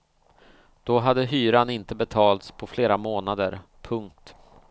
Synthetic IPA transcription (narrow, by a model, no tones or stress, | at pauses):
d̪̥ɔɦad̪ːəɦyːɾanɪnt̪əbɛt̪ʰɑːlt̪spʰɔfleːɾamoːnad̪əɾpʰɵŋk̚t̪